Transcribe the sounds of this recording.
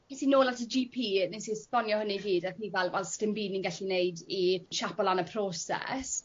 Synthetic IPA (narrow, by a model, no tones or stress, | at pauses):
kʰetinoːlatʰəd͡ʒipʰiːnisispɔnjɔhəniɡiːdəθivɛlˠvɛlˠstɪmbiːdninɡɛɬinejdiʃapɔlˠanəpʰroːsɛ̰s